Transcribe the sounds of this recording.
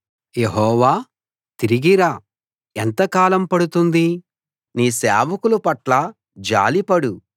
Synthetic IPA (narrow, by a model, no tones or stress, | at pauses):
jeɦɔːʋaː | t̪iɾiɡiɾaː | ent̪ɐkaːlɐmpɐɽut̪und̪i | niːsɛːʋɐkulupɐʈlɐ | d͡ʒa̰ːlipɐɽu